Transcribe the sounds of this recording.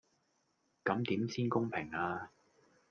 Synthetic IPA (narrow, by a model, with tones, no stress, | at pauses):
kɐ˨˥mt̪iː˨˥msiː˥nkʊ˥ŋpʰɪ˨˩ŋaː˧